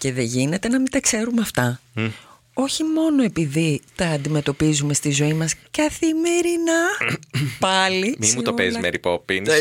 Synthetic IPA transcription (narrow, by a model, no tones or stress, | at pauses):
ce̞ðe̞ʝine̞t̪e̞nɐmit̪ɐkse̞ɾumɐft̪ɐ | o̞çimo̞noe̞piðit̪ɐːnd̪ime̞t̪o̞pizume̞st̪izo̞imɐskɐθime̞ɾinɐ | pɐlimimut̪opezmeɾipopin